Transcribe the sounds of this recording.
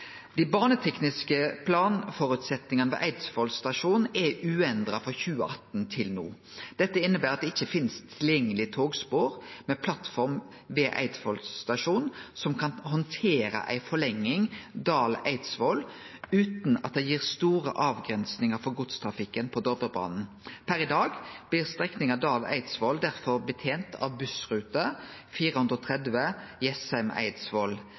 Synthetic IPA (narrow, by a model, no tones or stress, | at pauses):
d̪ɪbɑːnət̪ʰɛknɪskəpʰlɑːnfɔɾʉt̪sɛt̪nɪŋɑnəʋɛ̰ːʔæɪd̪sfɔlst̪ɑʂuːnnɛʉːɛnd̪ɾɑfɔɾçʉːəʔɑt̪n̩t̪ʰɪlnṵː | d̪̥ɛt̪ːəɪnːəbæːɾʁɑt̪̚d̪ɛɪçːəfɪnst̪ʰːɪljɛŋːəlɪt̪ʰoːɡspoːɾmɛpʰlɑt̪fɔɾm | ʋɛːʔæ̰ɪt̪fɔlt̪ɑʂuːnsɔmkʰɑnhɔnt̪ʰeːɾə̰ʔæ̰ɪfɔɭɛŋːɪŋd̪ɑːlæ̰ɪd̪sʋɔl | ʉːt̪nɑ̰t̪̚d̪ɛjiːʁst̪uːɾə̰ʔɑːʋɡʁɛnsnɪŋəɾfɔɾɡʊt̪st̪ʰɾɑfɪkːənpʰɔd̪ɔbəbɑ̰ːnn̩ | pʰæɾɪd̪ɑːɡb̥lɪːʁst̪ʁɛknɪŋɑʋd̪ɑːlʔæ̰ɪd̪sʋɔld̪æʁfɔɾbət̪ʰeːnt̪ʰɑ̰ʋbʉsʁʉːt̪əfiːɾəhʉnd̪ɾɔt̪ʰʁɛd̪ʋəjɛsɛmæ̰ɪd̪sʋɔl